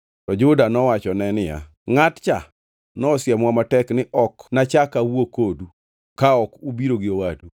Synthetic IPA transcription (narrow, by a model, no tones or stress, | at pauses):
tɔd͡ʒʊdanɔwat͡ʃɔnɛnɪja̰ | ŋatt͡ʃa | nɔːsjɛmwamatɛknɪʔɔknat͡ʃakawokodu | kaɔkubiɾoɡɪowadu